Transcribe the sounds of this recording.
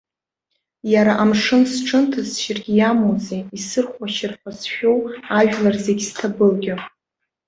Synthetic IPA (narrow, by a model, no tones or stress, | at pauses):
jaɾaʔamʂɨnsʈ͡ʂʰɨntʰasʃɪrɡʲɪjamozeisɨrχʷaʃɪrχʷasʃᶣowaʒᶣlarzeɡʲstʰabɨlɡʲɪ